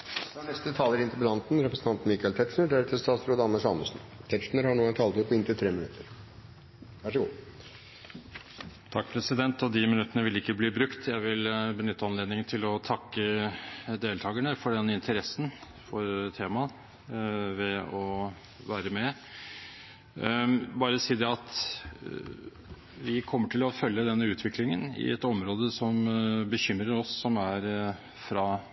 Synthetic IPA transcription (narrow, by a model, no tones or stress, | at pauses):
ɑnɛst̪ət̪ʰɑːləɾɪnt̪əɾbəd̪ɑnt̪n̩ɾɛpɾəsn̩ɑnt̪mikɑɛlt̪ʰɛt̪ʂnəɖæɾɛt̪ʰɪlst̪ɑːt̪sɾoːd̪əɑnmːəʂɑməsn̩t̪ʰɛt̪ʂnəɾhɑɳuːænt̪ʰɑːlt̪ʉpʰːɔɪnt̪ɪt̪ʰɾeːmɪnʉt̪ʰːəɾ | ʋæʂəɡṵː | t̪ʰɑkːpʰɾɛsɪd̪ɛnt̪ɔd̪imɪnʉt̪ːənəʋɪlɪkːəbliːbɾʉkt̪ʰjæɪʋɪlbənʏt̪ːəɑnleːd̪nɪŋənt̪ʰɪlɔt̪ʰɑkːə | d̪eːlt̪ʰɑːɡəɳəfɔɖɛnːɪnt̪ʰəɾɛsːn̩ | fɔɾt̪ʰeːmɑ | ʋɛɔ | ʋæːɾəmɛ | bɑːɾəsiːd̪ɛɑt̪ | ʋɪkʰɔmːəʈʰɪlɔfœljəd̪ɛnːəʉːt̪ʰʋɪklɪŋənɪ̰ɛ̰t̪ɔmɾoːd̪əsɔmbəçʏmɾəɾɔsːɔmæɾ | fɾɑ